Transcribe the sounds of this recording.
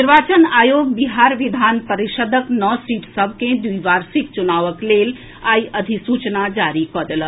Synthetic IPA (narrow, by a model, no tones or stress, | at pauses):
iɾʋaːt͡ʃənaːjoːɡ̚biɦaːɾʋid̪ʱaːnpəɾiʃəd̪əknɔsiːʈsəbʱkẽd̪ujʋaːɾsikt͡ʃunaːʋəkleːl | aːjəd̪ʱisuːt͡ʃnad͡ʒaːɾikɔd̪əl